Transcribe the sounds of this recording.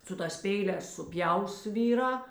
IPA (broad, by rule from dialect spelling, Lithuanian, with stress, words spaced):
sʊ ˈtɑːs ˈpʲɛɪˌlʲɛːs sʊˈpʲjɛʊs ˈʋʲiːˌrɑː